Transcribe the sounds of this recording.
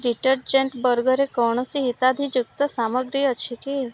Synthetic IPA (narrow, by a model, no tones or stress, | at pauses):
ɾiʈəɾd͡ʒeɳʈbəɾɡəɾekɔɳ̃ɔsiɦit̪ad̪ʱid͡ʒuk̚t̪ɔsaməɡɾiət͡ʃʰike